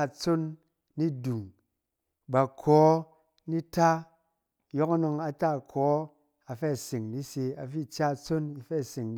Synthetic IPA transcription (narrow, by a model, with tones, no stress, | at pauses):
t͡so˦nː | i˦du˨ŋ | ba˨kʰɔ˨˦ | ni˦ta˦ | jo˦ka˦no˧ŋa˨ta˦˨kʰɔː˨˦ | a˨fe˦˨si˨ŋni˦se˧a̰˨fi˦˨t͡ʃa˦˨t͡so˦ni˧fe˦˨se˨ŋ